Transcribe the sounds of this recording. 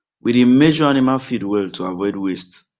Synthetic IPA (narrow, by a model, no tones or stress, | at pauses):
wʔidimed͡ʒɔanimalfidwɛltʰuavɔɪdwest